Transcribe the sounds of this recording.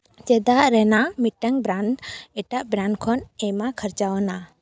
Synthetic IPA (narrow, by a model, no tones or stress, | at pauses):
d͡ʒɛd̪aʔɾɛnamiʈəŋbɾanɖɛʈaʔbɾaɳɖkʰɔnɛjmakʰəɾt͡ʃawɔna